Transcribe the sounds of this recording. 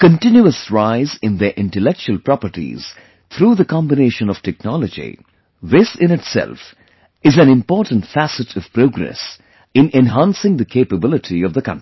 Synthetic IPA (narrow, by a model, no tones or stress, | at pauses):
kə̃ntɪ̃njuəsɹaɪzɪ̃nðəʔɪ̃nʈəlɛk̚t͡ʃuəlpɾɑpəɾʈḭz̥ | t̪ʰɾuːðəkɑ̃mbɪneːʃə̃nɔv̥tʰɛk̚nɑləd͡ʒḭ | ðɪsɪ̃nɪtsɛ̰lf | ɪzæ̃nɪ̃mpɔːɾʈə̃n̩ʈfæsɨtʰɔv̥pɾoːɡɾɛ̰s | ɪ̃nʔɛ̃nɦãnsɪ̃ŋd̪əkʰeɪpəbɪlɪʈʰiɔvðəkʌ̰̃nti̥